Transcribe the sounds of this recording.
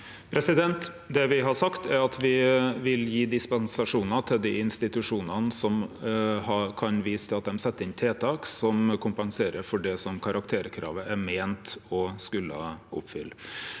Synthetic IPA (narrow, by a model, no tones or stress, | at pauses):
pʰɾɛsɪd̪ɛnt̪ | d̪ɛʋɪɦɑʂɑkt̪ʰæɾɑt̪ʰʋɪʋɪljiːd̪ɪspɑnsɑʂuːnɑt̪ʰɪld̪iːɪnst̪ɪt̪ʉʂuːnɑnəsɔmhɑkʰɑnʋiːsəɑt̪̚d̪ɛmsɛt̪ːəɾɪnt̪ʰeːt̪ʰɑːksɔmkʰʊmpɑŋseːɾəɾfɔɖɛsɔmkʰɑɾɑkt̪ʰeːɾkʰɾɑ̰ːʋəʔæmeːnt̪ɔskʉlːə̰ʔʊpfʏ̰lː